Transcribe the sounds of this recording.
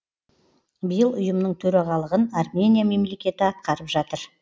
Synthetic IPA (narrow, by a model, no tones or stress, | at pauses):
bijəlˠʊjəmnəɴt̪ʰɵɾɑʁɑlˠəʁənarmʲe̞nʲijame̞mle̞kʲe̞t̪ɪɑt̪̚qɑɾəpʒɑt̪əɾ